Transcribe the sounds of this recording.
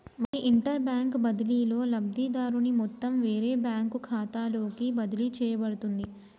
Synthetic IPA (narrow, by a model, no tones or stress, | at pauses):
ʋɐɾiʔiɳʈɐɾbjaːŋkbɐd̪iliːlo̞ːlɐbd̪id̪aːɾunimɔt̪ːɐmʋe̞ːɾeːbjaːŋkukʰaːt̪aːlo̞ːkibɐd̪ilit͡ʃɛːjɐbɐɽut̪und̪i